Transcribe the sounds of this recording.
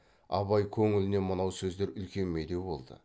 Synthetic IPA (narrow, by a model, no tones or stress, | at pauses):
ɑ̰βɑjkʲʰɵŋɪlɪne̞mənɑwsɵzd̪e̞ɾʏlkʲe̞nmed̪e̞wbo̞̰lˠd̪ə̰